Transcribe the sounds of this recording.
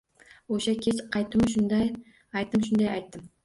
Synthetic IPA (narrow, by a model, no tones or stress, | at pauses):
oʃakʲʰet͡ʃqʰɑjt̪ɨmʃʊnd̪ɑj | ɑjt̪ɨmʃ̬ʊnd̪ɑjɑjt̪ːɪm